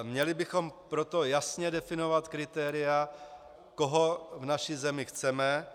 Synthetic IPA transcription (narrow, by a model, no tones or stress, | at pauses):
mɲɛlɪbɪxo̞mpɾot̪o̞jasɲɛdɛfɪnovat̪kɾɪt̪ɛːɾɪja | koɦo̞vnaʃizɛmɪxt͡sɛmɛ